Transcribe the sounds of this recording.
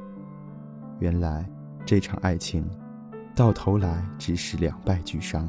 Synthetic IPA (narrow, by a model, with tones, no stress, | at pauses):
ɥɛ˧˥nla˧˥ɪ | ʈ͡ʂɤ˥˩ʈ͡ʂʰɑ̰˨˩ŋʔa˥˩ɪt͡ɕʰi˧˥˦ŋ | t̪ɑ˥˩ʊt̪ʰo˧˥ʊla˧˥ɪʈ͡ʂɻ̩˧˥ʂɻ̩˥˩ljɑ̰˨˩ŋpa˥˧ɪt͡ɕy˨˩ʂɑ˥ŋ